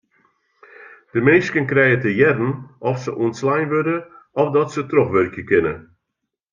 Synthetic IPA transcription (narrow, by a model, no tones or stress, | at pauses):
d̥əmejskənkrɛjətəjɛrn̩ɔfsəʔuənslajnʋødə | ɔfdɔtsətroxʋørkjəkɪnə